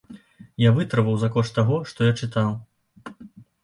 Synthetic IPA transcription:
javɨt̪ɾɐvɐwzɐkɔʂt̪t̪ːaɣɔʂt̪ɔjat͡ʂɨt̪aw

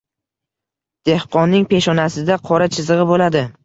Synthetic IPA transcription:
d̪̥e̞hqɒnːɪŋpʰe̞ʃɒnasɪd̪aqʰɒɾat͡ʃʰɪzɨʁɨbolad̪ɪ

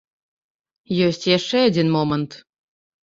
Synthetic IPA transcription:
jøsʲtʲjæʃeədʲinmomə̆nt̪

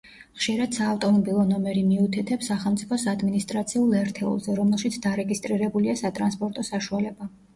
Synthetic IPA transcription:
χʃiɾad̪̥saːft̪ʼɔmɔbilˠɔnɔmɛɾimiut̪ʰɛt̪ʰɛpsːaχɛlˠt̪sʼipʰɔsad̪minist̪ʼɾat̪sʰiulˠɛɾt̪ʰɛṵlˠzɛɾɔmɛlˠʃit̪sʰd̪aɾɛɡist̪ʼɾiɾɛbuliasat̪ʼɾa̰nspʼɔɾt̪ʼɔsaʃualɛba

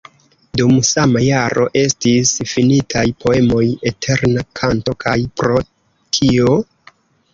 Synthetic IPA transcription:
dumsamajaɾo̞̰ʔe̞stisfinitʰajpʰo̞e̞mo̞je̞tʰe̞ɾnakʰanto̞kʰajpɾo̞ | tʰio̞

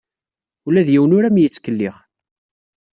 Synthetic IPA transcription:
ulæðjiwənʊɾæmjət͡sːkəlːiʁ

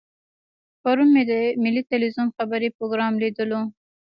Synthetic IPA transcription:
paɾunmed̪əmɪlit̪ɪlwizumxabaɾipɾoɡɾɑmlid̪əlo

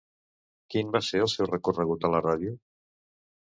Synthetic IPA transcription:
kinbaseəlˠsɛwrəkurəɣut̪ələrað̞iu

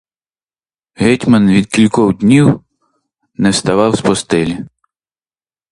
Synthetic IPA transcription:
ɦɛtʲmɐnʋʲid̪̚kʲilʲkɔwd̪ʲnʲiw | nɛwst̪ɐʋɑwspɔst̪ɪlʲi

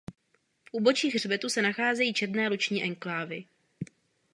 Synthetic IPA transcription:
fʔuːbo̞t͡ʃiːɣr̝bɛt̪usɛnaxaːzɛjiːt͡ʃɛdnɛːlut͡ʃɲiːʔɛŋklaːvɪ

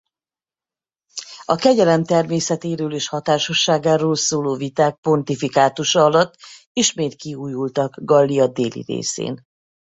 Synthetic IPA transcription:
ɒkɛɟɛlɛmt̪ɛrmeːsɛt̪eːɾøːleːʃhɒt̪aːʃo̞ʃːaːɡaːɾoːlsoːloːvit̪aːk̚po̞nt̪ifikaːt̪uʃɒɒlɒt̪ː | iʃmeːt̪kiuːjult̪ɒɡɡɒlːiɒd̪ḛːlḭrḛːsḛːn

